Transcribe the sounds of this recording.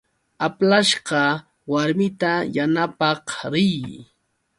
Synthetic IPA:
aplaʃɢɑ | waɾmɪt̪ajanapɑχɾɪj

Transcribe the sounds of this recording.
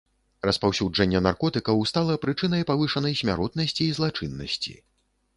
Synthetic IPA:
rɐspawsʲud͡ʐɐnʲːɐnarkɔt̪ɨkɐwst̪alˠɐpɾɨt͡ʂɨn̪ɐjpavɨʂɐnɐjsʲmʲa̰ɾɔt̪nɐsʲt͡sʲiːzlˠat͡ʂɨnːɐ̰sʲt͡sʲḭ

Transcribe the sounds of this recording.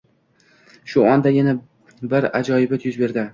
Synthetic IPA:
ʃʊɒnd̪ajʲana | bɪɾad͡ʒɒjɪbat̪ʰjʊzbe̞ɾd̪ɪ

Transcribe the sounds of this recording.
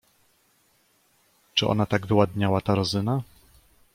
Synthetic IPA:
t͡ʂɘʔɔ̰nat̪aɡvɘwad̪ɲawat̪aɾɔzɘna

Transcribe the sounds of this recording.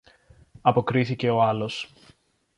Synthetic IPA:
ɐpo̞kɾiθice̞o̞ɐlo̞s

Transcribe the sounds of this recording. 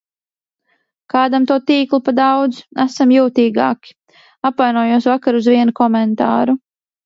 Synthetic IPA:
kaːd̪amt̪uɔt̪iːklˠupad̪awd̪zæsamjuːt̪iːɡa̰ːkʲi̥ | apvajnuɔjuɔsvakaɾuzvʲiɛnukɔmɛnt̪aːɾu

